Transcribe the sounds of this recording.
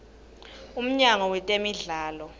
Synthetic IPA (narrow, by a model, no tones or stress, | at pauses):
um̩ɲaŋɔwɛtʼemiɮaːlɔ